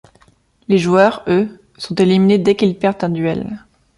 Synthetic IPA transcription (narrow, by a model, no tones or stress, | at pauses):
leʒuœʁø | sɔ̃t̪elimined̪ɛkilpɛʁt̪ɛ̃d̪ɥɛl